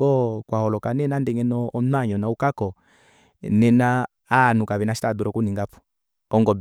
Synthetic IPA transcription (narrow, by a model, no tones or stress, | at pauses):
kɔkwahɔlɔkanɛnandɛŋɛnɔːnaɲɔnaukakɔ | nɛnaː | nukaβɛnaʃi̥taduɾɔkuniŋɡapɔ̥ | ɔŋɡɔb